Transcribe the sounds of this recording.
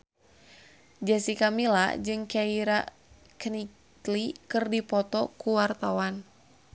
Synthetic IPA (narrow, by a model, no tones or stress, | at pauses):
d͡ʒasikamila̰d͡ʒɨŋkaiɾa | knik | likɨrdipɔt̪ɔkuwart̪awan